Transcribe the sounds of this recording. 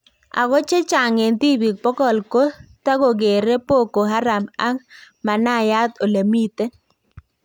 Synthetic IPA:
a̰˨ɡɔ˦t͡ʃe˦t͡ʃa˨ŋe˨nt̪i˦bi˨k̚pɔ˦kɔ˨lko˦t̪a˦ɡo˨ɡe˨ɾe˦po˦˨ko˨ɦa˦ɾa˨ma˦ŋ | ma˨na˦˨ja˦t̪o˨le˨mi˦t̪e˦

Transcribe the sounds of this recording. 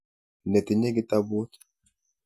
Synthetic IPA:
nɛ˨t̪i˨ɲe˦ɡi˨ta˦bo˦

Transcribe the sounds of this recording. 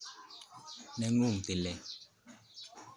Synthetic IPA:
nɛ˨ŋu˦˨ŋ˨te˨lɛ˨

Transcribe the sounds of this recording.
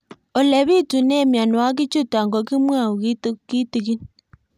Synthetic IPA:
ɔ˨lɛ˨βi˦tu˨nɛ˦˨mja˨n˨wa˦k̬i˦t͡ʃu˦ta˨ŋɡɔ˨ki˦mwa˦˨u˨ki˦tki˦ti˨k̬i˦n

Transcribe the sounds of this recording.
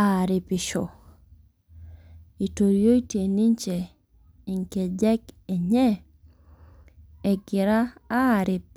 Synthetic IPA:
a˦˨ɾɪ˨pɪ˨ʃɔ̰˨ | i˨to˨ɾjo˦i˦tje˨ni˦ɲt͡ʃe˨ | i˨ŋke˨d͡ʒɛ˦kɛ˨ɲɛ˦ | ɛ˨ɡɪ˨ɾaː˦˨ɾɪ˨p̚

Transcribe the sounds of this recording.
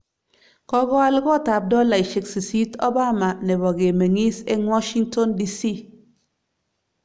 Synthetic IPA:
kɔ˦ɡɔ˦a˦lɡɔ˦˨ta˨p̚dɔ˦la˨i˨ʃe˨ksi˨si˦tɔ˦ba˦ma˨nɛ˨bɔ˨ɡe˨me˨ŋi˦se˦ŋwɔ˦ʃi˦ŋtɔ˦ndi˦si˦

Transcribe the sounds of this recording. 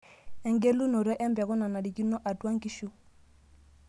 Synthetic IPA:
ɛ˨ŋɡe˦lu˦nɔ˨ɾɛ˦ʔɛ˦mbɛ˨ɣɔ˦na˨na˨li˨ki˦nɔ˦ʔa˨twa˦ŋki˦ʃu˦

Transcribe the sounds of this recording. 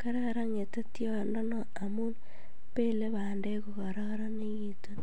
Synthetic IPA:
ka˦ɾe˦ɾa˦ŋe˨te˦tjo˦˨ndɔ˦nɔ˨ | a˨mu˦n | pe˦le˦βande˦ku˨ka˨ɾa˦kɾa˦ne˦jito˦n

